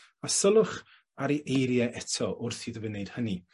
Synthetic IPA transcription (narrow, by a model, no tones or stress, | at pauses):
asəlˠʊχ | aɾiʔejɾjɛʔɛtʰɔʔʊrθiðəvənejd̥həni